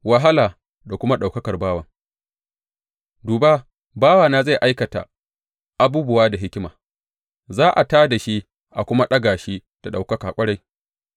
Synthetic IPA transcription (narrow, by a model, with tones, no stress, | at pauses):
wa˨ɦa˦laː˨ | da˨kʷʊ˦ma˦ɗa˨wkɐ˦kɐ˨rbaː˦wɐ˨ŋ | duː˨ba˦ | baː˦waː˨naː˦za˦˨jʔa˦jkɐ˨ta̰˨ | ʔa˦buː˦bʊ˨waː˦da˨ɦɪ˦kʲɪ˦maː˨ | zaː˦ʔa˨taː˦da˨ʃi˦ | ʔa˨kʷʊ˦ma˦ɗɐ˦ɡaː˨ʃi˦d̥a˨ɗa˨wkɐ˦kaː˨kʷʼɐ˦ɽa˦j